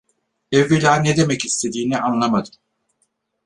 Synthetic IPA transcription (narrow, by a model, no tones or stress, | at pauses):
evilʲaːned̪e̞mɛcist̪ʰe̞d̪iːniʔanlˠamad̪ɯm